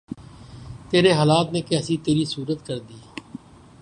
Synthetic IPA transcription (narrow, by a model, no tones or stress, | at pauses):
t̪eːɾeɦaːlaːt̪nẽkɛːsit̪eːɾisuːɾət̪kəɾd̪iː